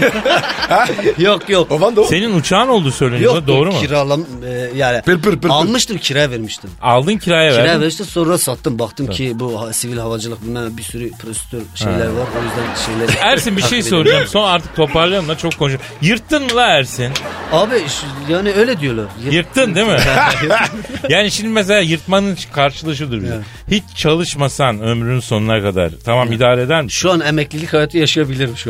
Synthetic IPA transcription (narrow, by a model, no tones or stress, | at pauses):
hjokjokovand̪ose̞ninut͡ʃʰaːno̞lˠd̪uːsø̞jlʲeiad̪o̞ːɾumuiɾalˠamː | jaːnɪalˠmɯʃt̪ʰɯmcʰiɾajaveɾmiʃt̪ʰimalˠd̪ɯncʰiɾaːjavæiɾajaveɾmiʃt̪imso̞nuɾasat̪ʰːɯmbakt̪ʰːɯmcʰibuhasivilʲɦavad͡ʒɯlˠɯk̚bilʲmɛmbisyɾypʰɾosi̥t̪ʰøɾʃejlʲæɾvaɾojyzd̪ænʃejlʲæɾæɾsinbiʃʃej̪oɾud͡ʒammso̞naɾt̪ʰɯ̥k̚t̪ʰo̞paɾlˠajɯmlˠat͡ʃʰo̞kʰːonʃ | jɯɾt̪ʰːɯnmɯlˠaæɾsinaːbijaːniøjlʲɛd̪ijo̞lˠaɾjɯjɯɾt̪ʰːɯnd̪emi | jaːniʃimd̪imɛs̬elʲaːjɯɾt̪manɯnt͡ʃkʰaɾʃɯlˠaʃ̬ɯd̪ˠɯɾbi | hit͡ʃt͡ʃʰalˠɯʃmasanø̞mɾynynso̞nunˠakad̪a̰ɾt̪ʰamamid̪aːɾed̪æɾmiʃuanemɛclʲilʲichajat̪ʰːajaʃɯjabilʲiɾimʃu